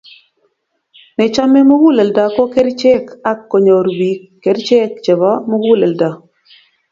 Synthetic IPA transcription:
nɛ˨t͡ʃa˦me˦mu˦ɡu˦le˨lda˨kɔ˦kɛ˦ɾt͡ʃɛ˦ka˦kːo˨ɲo˨ɾbiː˨ | ɛ˨˦ɾt͡ʃɛ˦kt͡ʃɛ˨βa˦mu˦ɡu˦le˨lda˨

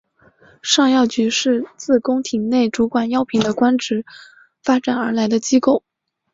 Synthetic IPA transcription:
ʂɑ˥˧ŋjɑ˥˩ʊt͡ɕy˧˥ʂɻ̩˥˧t͡sɹ̩˥˩kʊ˥ŋt̪ʰi˨˩ŋne˥˩ɪʈ͡ʂu˧˥kwa˨˩njɑ˥ʊpʰi˧˥ŋd̪ə˧kwa˥nʈ͡ʂɻ̩˧˥ | fa˥ʈ͡ʂa˨˩nə˞˧˥la˧˥ɪd̪ə˧t͡ɕi˥ko˥˩ʊ

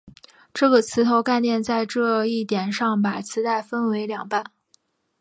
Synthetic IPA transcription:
ʈ͡ʂɤ˥˩ɡə˩t͡sʰɹ̩˧˥t̪ʰo˧˥ʊka˥˧ɪnjɛ˥˧nt͡sa˥˧ɪʈ͡ʂɤ˥˧i˥˩t̪jɛ˨˩nʂɑ˥˩ŋpa˨˩t͡sʰɹ̩˧˥t̪a˥˩ɪfə˥nwe˧˥ɪljɑ˨˩ŋpa˥˩n

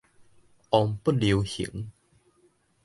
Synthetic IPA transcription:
ʔɔ˧ŋpu˥˩li˨˧whḭ˨˩˦ŋ

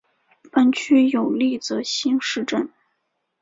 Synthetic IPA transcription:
pa˥nt͡ɕʰy˥jo˨˩ʊli˥˩t͡sɤ˧˥˦ɕi˥nʂɻ̩˥˧ʈ͡ʂə˥˩n

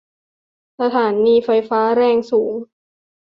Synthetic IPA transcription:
sa˧t̪ʰaː˩˦nːiː˧fa˧jfaː˦˥ɾɛː˥˩ŋsuː˩˦ŋ

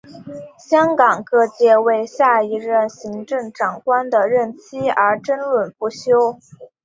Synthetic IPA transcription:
ɕjɑ˥ŋkɑ˨˩ŋkɤ˥˧t͡ɕjɛ˥˧we˥˧ɪɕja˥˩i˧˥ɻə˥˩nɕi˧˥ŋʈ͡ʂɤ˥˩ŋʈ͡ʂɑ˨˩ŋkwa˥nd̪ə˨ɻə˥˩nt͡ɕʰi˥ə˞˧˥ʈ͡ʂə˥nlwə˨˩npu˥˩ɕjo˥ʊ

